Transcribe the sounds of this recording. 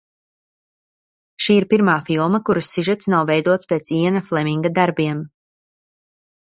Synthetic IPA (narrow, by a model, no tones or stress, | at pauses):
ʃiːiɾpiɾmaːfilˠmakuɾusːiʒɛt̪snawvɛjd̪uɔt̪speːt̪siɛnaflˠɛmʲiŋɡad̪aɾbiɛm